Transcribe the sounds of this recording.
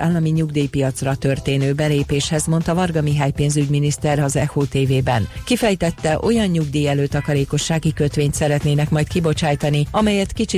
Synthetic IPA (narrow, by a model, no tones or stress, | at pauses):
aːlːɒmiɲuɡd̪iːjpijɒt̪srɒt̪ø̞rt̪eːnøːbɛleːpeːʃhɛzmo̞nt̪ɒvɒrɡɒmiɦaːjpeːnzyɟminist̪ɛrɒzɛhoːt̪eːveːbɛnkifɛjt̪ɛt̪ːɛʔo̞jɒɲɲuɡd̪iːjɛløːt̪ɒkɒɾeːko̞ʃːaːɡikø̞t̪ʋeːɲt̪sɛɾɛt̪neːnɛkmɒjt̪kibo̞t͡ʃaːjt̪ɒniɒmɛjɛt̪kit͡ʃi